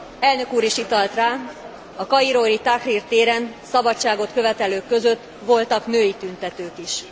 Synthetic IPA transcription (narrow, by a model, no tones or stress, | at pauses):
ɛlnø̞kuːɾiʃit̪ɒlt̪raː | ɒkɒiɾoɾit̪akrirt̪eːɾɛnsɒbɒt͡ʃt͡ʃːaːɡo̞t̪kø̞vɛt̪ɛløːkːø̞zø̞t̪ː | ʋo̞lt̪ɒknøːjit̪ynt̪ɛt̪øːkiʃ